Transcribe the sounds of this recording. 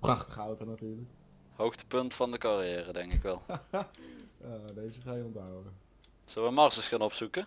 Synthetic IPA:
prɑχtəχəɑwtonatyːɹlək | howxtə̥pɵntfɑndəkɑrijɛːrədɛŋkɪkʋɛlˠ | ədejzəχaːjəɔndawəə | səlʋəmɑrsəskanɔpsukə

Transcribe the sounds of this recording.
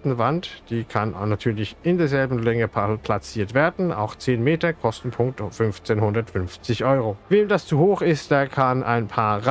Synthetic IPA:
tn̩vantd̥iːkʰannːatʰyːɐlɪçɪndeːɐzɛlbm̩lɛŋəpʰapʰl̥at͡siːɐtv̥eːɐdn̩ʔa̰ʊxt͡seːnmeːtɐkʰɔstn̩pʰʊŋk̚tfʏnft͡seːnɦʊndɐtfʏnft͡sɪçʔɔʏʁoveːmdast͡suhoːxɪstd̥eːɐkʰanʔa̰ɪnpʰaːɐʁ

